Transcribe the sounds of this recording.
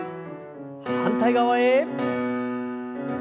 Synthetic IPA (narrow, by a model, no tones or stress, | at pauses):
hant̪ʰajɡawaje